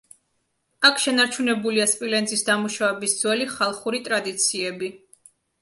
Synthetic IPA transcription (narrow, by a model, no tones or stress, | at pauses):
akʰʃɛnaɾt͡ʃʰunɛbuliaspʼilɛnzʼisd̪amuʃavɛbisd̪z̥wɛliχalˠχuɾit̪ʼɾad̪it̪sʰiɛbi